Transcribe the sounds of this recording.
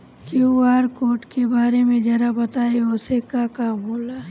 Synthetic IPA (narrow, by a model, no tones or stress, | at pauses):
kiuaːɾkoːʈkebaːɾemẽd͡ʒɛɾabɐt̪aːeʊsekakaːmɦoːlaː